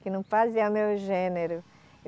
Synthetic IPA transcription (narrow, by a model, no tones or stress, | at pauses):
kɪnɐ̃w̃paziɛumewʒẽneɾʊ | e